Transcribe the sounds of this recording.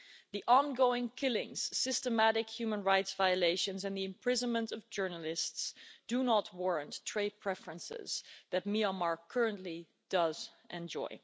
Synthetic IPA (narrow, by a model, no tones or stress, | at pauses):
ðiʔɑ̃nɡoʊɪ̃ŋkʰɪlˠɪ̰̃ŋz̥sɪstəmæɾɨkjʉmə̃nɹaɪtsvaɪəleɪʃɨ̃nzɨ̃nðiɨ̃mpʰɹ̥ɪzə̃nmə̃ntʌvd͡ʒɜ˞nəl̩ˠɪstsd̥unət̚ʰwɔɹə̃ntʰɹ̥eɪd̚pʰɹ̥ɛfɹə̃nsɪ̰z̥ðɨt̚miəmɑɹkʰɜ˞ə̃ntˡli | d̥ʌz | ʔɛ̃nd͡ʒɔ̰ɪ